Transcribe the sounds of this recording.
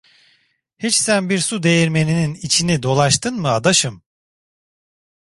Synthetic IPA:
hit͡ʃsænbiɾsud̪e̞jiɾme̞nininit͡ʃʰinid̪o̞lˠaʃt̪ʰɯnmɯad̪aʃɯm

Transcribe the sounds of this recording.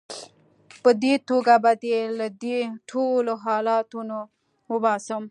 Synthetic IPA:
pəd̪et̪oɡabad̪elad̪eʈʰoloɦɑlɑt̪uno | wəbɑsəm

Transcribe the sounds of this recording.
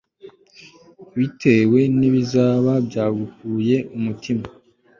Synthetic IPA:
βitʰe̞we̞niβizaːβabjaːɡukuːje̞umutʰima

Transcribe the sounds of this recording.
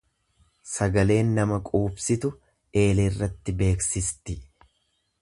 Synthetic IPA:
sɐɡɐle̞ːnːɐmɐkʼuːbsɪt̪ʊ | e̞ːleɪrːɐt̪ːɪbe̞ːksɪst̪ɪ

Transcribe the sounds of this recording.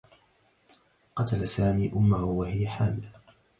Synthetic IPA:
qɑt̪alasaːmiːʔʊmːahʊʊwahɪjaħaːmɪl

